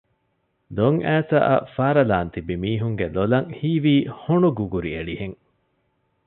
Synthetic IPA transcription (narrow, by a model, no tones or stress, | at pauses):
d̪oŋæːsɐ̰ʔɐ̰faːɾɐlaːnt̪ibimiːɦuŋɡelolɐŋhiːʋiːhoɳuɡuɡuɾieɭiheŋ